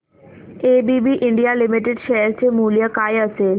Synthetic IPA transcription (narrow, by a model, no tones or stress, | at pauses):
eːbibiʔɪɳɖijalimiʈeɖʃejəɾt͡ɕemuːlijəkaːjəseːl